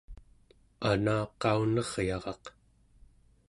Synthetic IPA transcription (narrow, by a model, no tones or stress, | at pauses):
anaːqɑunʌʁ̥jɑʁɑq